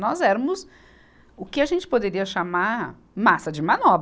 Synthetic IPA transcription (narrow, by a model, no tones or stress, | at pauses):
nɔzɛɾɐmʊs | ʊkɪaʒẽnt͡ʃɪ̥pod̪eɾiɐʃamaɾ | masɐd͡ʒɪmɐ̃nɔb